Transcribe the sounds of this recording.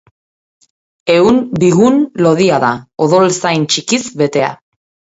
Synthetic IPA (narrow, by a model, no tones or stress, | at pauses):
e̞unbiɣunlo̞ðiaðaoð̞o̞lsajnt͡ʃikizβe̞t̪e̞a̰